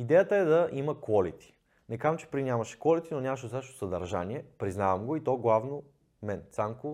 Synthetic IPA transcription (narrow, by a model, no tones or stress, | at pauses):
id̪ɛjət̪əɛd̪ɐʔiməkɔlit̪i̥ | nɛkamt͡ʃɛ̥pɾinʲamɐʃɛ̥kɔlit̪inonʲamʃ̬zaʃt̪o̥sɐd̪ɐɾʒa̰niɛpɾiznavɐmɡoit̪ɔɡlˠavno | mɛnsamkʊ